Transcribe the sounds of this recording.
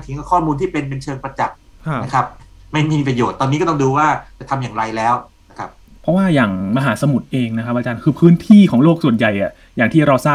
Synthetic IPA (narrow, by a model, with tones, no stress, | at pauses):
ŋt̪ʰi˨˦ŋka˧˩kʰɔː˥˩muː˧nt̪ʰiː˥˩pe˧np̬e˧nt͡ɕʰɤː˧ŋpɾa˧t͡ɕa˨˩k̚kʰnna˦˥kʰɾa˦˥p̚ma˥˩jma˥˩iː˧pɾa˧joː˨˩t̪ːɔː˧nːi˦˥kɔː˥˩t̪ɔ˥˩ŋduː˧waː˥˩t͡ɕa˨˩t̪ʰa˧mjaː˨˩ŋɾa˧jlɛː˦˥wna˦˥kʰa˦˥p̚ | pʰɔ˦˥waː˥˩jaː˨˩ŋma˧ɦaː˩˦˥sa˧mu˨˩t̪̚ʔeː˧ŋna˦˥kʰa˦˥p̚ʔa˧t͡ɕaː˧nkʰɯː˧pʰɯː˦˥nt̪ʰiː˥˩kʰɔː˩˦ŋloː˥˩k̚su˨˩ənja˨˩jʔa˨˩ | jaː˨˩ŋt̪ʰiː˥˩ɾa˧wsaː˥˩